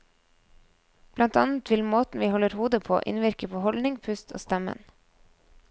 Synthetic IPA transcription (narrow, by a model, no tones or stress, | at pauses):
b̥lɑnt̪ɑ̰ːnət̪ʰʋɪlmoːt̪n̩ʋiːhɔləɾhuːd̪əpʰo̰ːʔɪ̰nʋɪɾkəpʰoːhɔlnɪŋpʰʉst̪ʰo̰ːst̪ɛmə̰n